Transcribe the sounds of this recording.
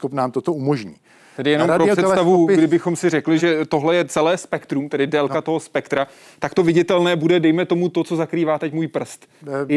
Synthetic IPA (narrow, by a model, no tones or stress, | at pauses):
kopnaːmt̪ot̪oumoʒɲḭː | t̪ɛdɪjɛnomɾosɛtst̪avuɡdɪbɪxo̞msɪrɛklɪʒɛt̪o̞ɦlɛjɛt͡sɛlɛːspɛkt̪ɾumt̪ɛdɪdɛlkat̪o̞ɦo̞spɛkt̪ɾa | t̪akt̪o̞vɪɟɪt̪ɛlnɛːbudɛdɛjmɛt̪o̞mut̪o̞t͡so̞zakɾiːvaːt̪ɛcmuːjpr̩st̪